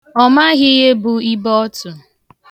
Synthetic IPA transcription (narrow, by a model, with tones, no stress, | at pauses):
ɔ˨ma˦ɣɪ˦ɦe˦bʊ˨i˦bɔ˦tʊ˨